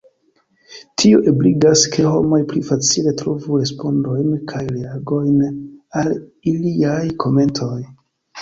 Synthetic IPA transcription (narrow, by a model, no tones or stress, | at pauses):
tʰio̞ʔebliɡaskʰe̞ho̞̰mo̞jplifat͡sile̞tɾo̞vuɾe̞spo̞ndo̞jnkʰajɾeaɡo̞jnaliliajkʰo̞me̞ntʰo̞j